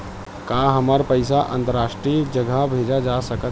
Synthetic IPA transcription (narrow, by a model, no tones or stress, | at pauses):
kaːɦɐmaɾpəɪsaʔə̃nt̪əɾaːʃʈɾid͡ʒəɡʱabʱeːd͡ʒad͡ʒaːsəkət̪